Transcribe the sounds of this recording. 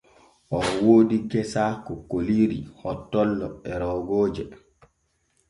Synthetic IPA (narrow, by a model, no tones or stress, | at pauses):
ʔɔwoːdiɡɛsakɔkoliɾihɔtːɔlːɔ̰ɛɾɔːɡoːd͡ʒɛ